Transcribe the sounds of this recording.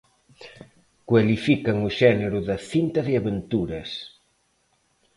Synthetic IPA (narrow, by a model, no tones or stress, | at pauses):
kwalifikɐŋuʃɛneɾʊðɐθint̪ɐðeaβent̪uɾɐs